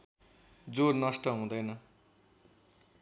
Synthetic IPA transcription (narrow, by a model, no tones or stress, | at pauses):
d͡zornʌsʈʌɦũd̪ʌjnʌ